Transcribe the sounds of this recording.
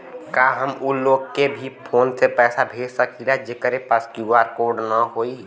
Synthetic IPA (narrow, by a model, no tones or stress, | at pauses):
kaɦəmuloːɡkebʱipʰoːnsepɛːsabʱeːd͡ʒsəkʰilaɦd͡ʒekəɾepəskjuaɾkoːɾɖnəɦoːi